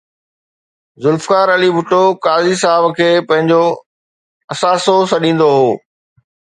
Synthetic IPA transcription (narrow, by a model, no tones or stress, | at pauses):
zʊlfkaːɾɐlibʱʊʈokaːzisaːɪbkʰeːpɐ̃ɦɪ̃ɲd͡ʑo | ɐsaːsosɐɗĩːn̆d̪oɦoː